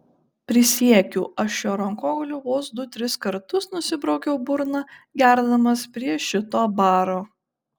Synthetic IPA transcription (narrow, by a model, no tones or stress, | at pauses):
pʲɾʲɪsʲiɛkʲṵːʔɐʃʲjoːɾɐŋkoːɡɐlʲuːʋoːsd̪ʊt̪ʲɾʲɪskɐɾt̪ʊsnʊsʲɪbɾɐʊɡʲɛʊbʊɾnɐɡʲæɾd̪ɐmɐspʲɾʲiɛʃʲɪt̪oːbɑːɾoː